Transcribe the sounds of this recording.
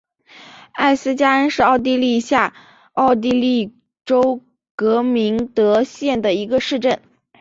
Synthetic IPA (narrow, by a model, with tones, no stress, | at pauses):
a˥˩ɪsɹ̩˥t͡ɕja˥ə˥nʂɻ̩˥˧ɑ˥˧ʊt̪̬i˥˧li˥˧ɕja˥˩ | ɑ˥˧ʊt̪̬i˥˧li˥˩ | ʈ͡ʂo˥ʊ | kɤ˧˥mi˧˥ŋt̪ɤ˧˥ɕjɛ˥˩nd̪ə˩i˧˥ɡə˧ʂɻ̩˥˧ʈ͡ʂə˥˩n